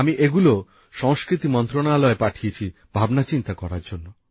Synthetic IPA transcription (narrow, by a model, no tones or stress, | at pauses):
amiʔeɡulo | ʃɔŋskɾit̪imɔnt̪ɾoɽaːlɔepaʈʰiet͡ʃʰi | b̥ʱabnat͡ʃint̪akɔɾaɾd͡ʒonːo